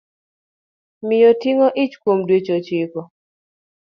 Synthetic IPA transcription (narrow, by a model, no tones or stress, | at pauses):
mɪjotiŋɔʔɪt͡ʃkwomdwet͡ʃot͡ʃɪkɔ